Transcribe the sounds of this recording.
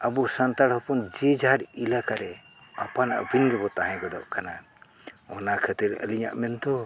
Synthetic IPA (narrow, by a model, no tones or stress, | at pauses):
abɔsant̪aɽhɔpund͡ʒɛd͡ʒaɦaɾilakaɾɛ | apana̰ʔbinɡɛbɔt̪aɦɛ̃ɡɔd̪ɔ̰ʔkana | ɔnakʰət̪iɾə̰liɲa̰ʔmɛnd̪ɔ